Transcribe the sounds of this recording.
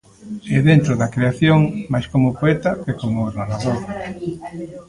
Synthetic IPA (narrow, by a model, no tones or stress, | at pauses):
ɛðent̪ɾoðɐkɾeaθjoŋmajskomʊpoɛt̪ɐkekomʊnaɾaðoɾ